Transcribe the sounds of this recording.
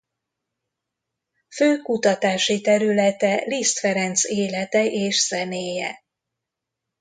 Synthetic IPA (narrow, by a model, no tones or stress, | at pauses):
føːkut̪ɒt̪aːʃit̪ɛɾylɛt̪ɛlist̪fɛɾɛnt̪seːlɛt̪ɛʔeːʃsɛmeːjɛ̰